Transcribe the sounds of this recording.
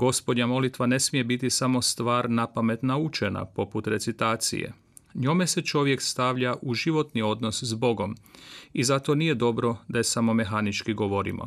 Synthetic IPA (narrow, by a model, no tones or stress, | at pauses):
ɡ̥o̞spo̞d̪ɲamo̞lit̪ʋane̞smije̞bit̪isamo̞st̪ʋaːɾnapame̞t̪naut͡ʃe̞na̰po̞put̪ɾe̞t̪sit̪aːt̪sḭjḛ | ɲo̞me̞se̞t͡ʃo̞ʋje̞kst̪aʋʎaʔuʒiʋo̞t̪nio̞d̪no̞szbo̞ɡo̞mizat̪o̞nije̞d̪o̞bɾo̞d̪ajesamo̞me̞ɦanit͡ʃkiɡo̞ʋo̞ɾḭmo̰